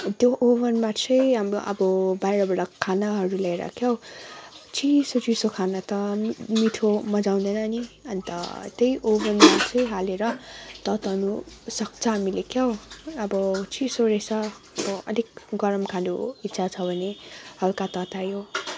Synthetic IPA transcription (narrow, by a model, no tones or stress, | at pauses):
t̪joʔoβʌnmat͡sʰʌjaʌ̰bʌbajɾʌbaɽakʰanaɦʌɾulaɾʌ̰kʰjʌw | t͡sʰisot͡sisokʰanat̪ʌmit̪ʰomʌd͡zaw̃nd̪ʌnʌniʌnit̪ʌ̰t̪ejʔobʌnmat͡sʰʌjɦaleɾʌt̪ʌt̪anusʌk̚t͡sʰʌɦamilekʰjʌwʌbʌt͡sʰisoɾesʰʌ | ʌbʌʌ̰d̪ʱikɡʌɾʌmkʰanoitːsʰat͡sʰʌbʱʌnehʌlkat̪ʌt̪ajo